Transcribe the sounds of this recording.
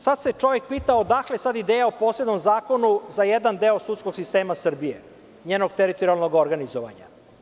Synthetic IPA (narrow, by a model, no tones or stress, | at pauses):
sad̪set͡ʃo̞ʋek̚piːt̪aod̪aklesad̪id̪eːjaopoːsled̪no̞mzaːko̞nuzajɛd̪and̪eːosut̪skoɡsist̪eːmasr̩bije | ɲeːnoɡt̪eɾit̪oɾialˠnoɡoɾɡanizoʋa̰ɲa̰